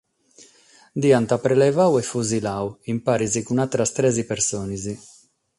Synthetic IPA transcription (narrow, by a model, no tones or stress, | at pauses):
d̪iant̪apɾɛlɛvawɛfuzilawimpaːɾizikunat̪ːɾast̪ɾɛzipɛɾsɔːnizi